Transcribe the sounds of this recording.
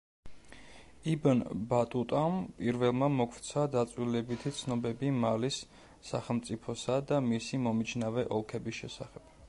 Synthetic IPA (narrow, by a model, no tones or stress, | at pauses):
ibanbat̪ʼut̪ʼampʼiɾvɛlˠmamɔkʰɾt̪sʰad̪at̪sʼwilɛbit̪ʰit̪sʰnɔbɛbimalisː | aχɛlˠmt̪sʼipʰɔsad̪amisimɔmit͡ʃʰnavɛʔɔlˠkʰɛbisʃɛsaχɛb̥